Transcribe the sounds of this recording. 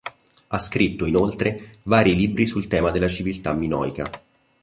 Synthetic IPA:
askɾit̪ːoinolt̪ɾevaːɾiliːbɾisult̪ɛːmad̪elːat͡ʃivilt̪amːinɔ̰ːjka̰

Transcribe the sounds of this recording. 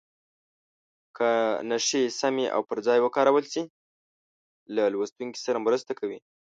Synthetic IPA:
kʰənaʃesameʔa̰wpəɾd͡zɑjwəkɑɾawəlsi | lalwast̪uŋki̥saɾamɾəst̪akʰawi

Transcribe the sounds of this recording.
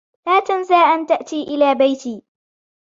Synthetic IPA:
laːt̪anzaːʔant̪aʔt̪iːʔɪlaːbajt̪iː

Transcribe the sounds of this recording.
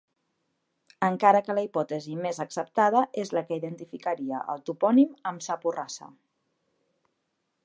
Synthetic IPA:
əŋkaɾəkələipɔt̪əzimezəksəp̚t̪að̞əʔezləkəiðənt̪ifikəɾiə̰ʔə̰lˠt̪upɔniməmsapurasə̰

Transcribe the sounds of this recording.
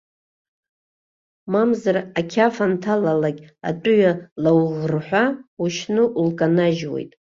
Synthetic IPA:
mamzarakʲʰafantʰalalakʲʼa̰t͡pʼʊɥalawʁrħʷᶣauʃnɨʔulkʼanaʒwe̞̰jtʼ

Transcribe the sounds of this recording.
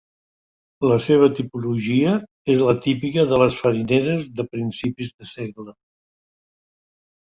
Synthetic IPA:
ləseβ̞ət̪ipuluʒiə | ezlət̪ipikəðələsfəɾineɾəzðəpɾinsipizðəseɣlə

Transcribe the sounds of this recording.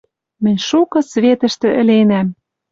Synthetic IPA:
mɘ̆nʲʃukɤ̆sβet̪ə̆ʃt̪ɘ̆ʔɘ̆lenæm

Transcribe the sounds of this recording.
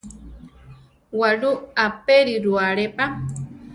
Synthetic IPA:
waɺuapeɾiɾuaɾepa

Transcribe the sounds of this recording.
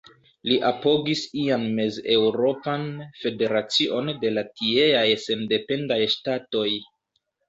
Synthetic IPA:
liʔapo̞ɡisianme̞ze̞wɾo̞panfe̞de̞ɾat͡siʔo̞nde̞latieajse̞nde̞pe̞ndajʃtato̞j

